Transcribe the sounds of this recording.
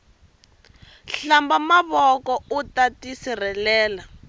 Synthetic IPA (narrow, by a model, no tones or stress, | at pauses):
ɬambamaβɔkɔutatisir̤ɛlɛːla